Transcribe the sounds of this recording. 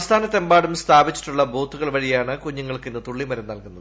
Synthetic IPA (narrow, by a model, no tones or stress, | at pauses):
st̪ʰaːnɐt̪e̞mbaːɽumst̪ʰaːbit͡ɕːi̥ʈːuɭːɐbo̞ːt̪ʰːuɣɐɭʋɐɻijaːɳɨkuɲːuŋːɐɭkenːɨt̪uɭːimɐɾɐmnɐlkunːɐð